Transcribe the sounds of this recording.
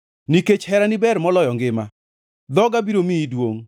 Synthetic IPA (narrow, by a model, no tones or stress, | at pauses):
niket͡ʃhɛɾanɪbɛɾmɔlɔjɔŋɡɪma | d̪ɔɡabiɾomiːdwoŋ